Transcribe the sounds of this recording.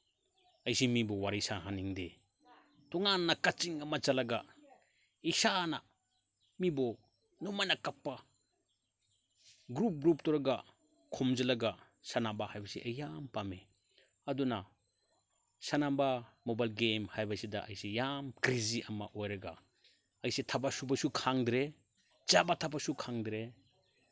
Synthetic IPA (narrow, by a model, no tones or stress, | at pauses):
ɐjsimibɔwaɾijsaɦaniŋde | tɔŋanːakat͡ʃiŋɐmɐt͡ʃalɐɡa | isana | mibɔ | numajnakapːa | ɡɾup̚ɡɾup̚tɔɾɐɡa | kʰɔmd͡ʒɐlɐɡa | sanabahajbɐsiʔɐjampame | ɐduna | sanabamobajlɡemhajbasidaʔɐ̰jsijamkɾiziʔɐma̰ʔojɾɐɡa̰ | ɐjsitʰabasubɐsukʰaŋdɾe | d͡ʒabatʰabasukʰaŋdɾe